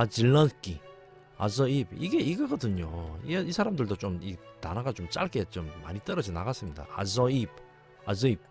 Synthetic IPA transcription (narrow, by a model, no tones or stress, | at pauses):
ad͡ʑiɭːʌnk͈i | a̰sʌibiɡe̞iɡʌɡʌdɯɲoiisʰaɾamdɯɭdot͡ɕomitanaɡat͡ɕomt͡ɕ͈a̰ɭk͈e̞t͡ɕomːa̰ɲit͈ʌɾʌd͡ʑinaɡas͈ɯmɲida̰a̰sʌib̚ | azʌip̚